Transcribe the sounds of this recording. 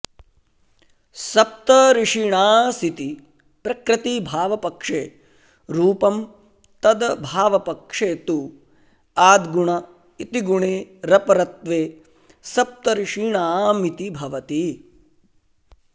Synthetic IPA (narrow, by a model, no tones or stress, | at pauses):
sɐp̚t̪ɐɾɪʂiɳaːsit̪i | pɾɐkɾɐt̪ibʱaːʋɐpɐkʂeː | ɾuːpɐm | t̪ɐd̪ɐbʱaːʋɐpɐkʂeːt̪u | aːd̪ɡuɳɐ | it̪iɡuɳeːɾɐpɐɾɐt̪ʋeː | sɐp̚t̪ɐɾiʂiɳaːmit̪ibʱɐʋɐt̪i